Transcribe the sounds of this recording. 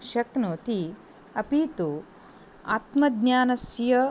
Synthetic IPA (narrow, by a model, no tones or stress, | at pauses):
ʃɐknoːt̪i | ɐpiːt̪u | a̰ːt̪mɐd̪naːnɐsjɐ